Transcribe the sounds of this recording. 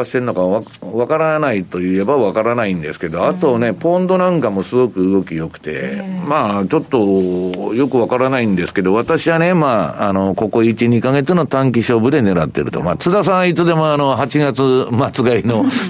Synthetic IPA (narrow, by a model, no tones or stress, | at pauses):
aɕi̥t̪eɾɯnokaaβakaɾanait̪o̞jɯe̞baβakaɾanaĩnd̪e̞sɨ̥ke̞d̪o̞at̪o̞ne̞põ̞nd̪o̞nãŋkamo̞sɨɡo̞kɯ̟ɯɡo̞kʲijo̞kɯ̟̥t̪e̞̰maːt͡ɕo̞t̪ːo̞jo̞kɯ̟βakaɾanaĩnd̪e̞sɨ̥ke̞d̪o̞β̞at̪aɕiβane̞maːno̞ko̞ko̞it͡ɕiɲ̟ikaɡe̞t͡sɨno̞t̪ãŋkʲiɕo̞ːbɯ̟d̪e̞ne̞ɾat̪ːe̞̰ɾɯ̟̰t̪o̰ma̰t͡sɨd̪as̬ãɰ̃it͡sɨd̪e̞mo̞ano̞ɦat͡ɕiɡat͡sɨmat͡sɨɡaino̞